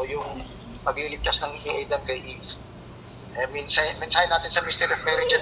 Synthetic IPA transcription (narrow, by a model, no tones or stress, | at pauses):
jʊŋ | pɐɡ̚lilɪɡ̚t̪asnɐŋɛʔajd̪ɐmkɐjʔif | ʔɛmɪnsamɪnsaːhɪnaːt̪ɪnsɐmist̪ɛɾofmɛɾɪd͡ʒɛ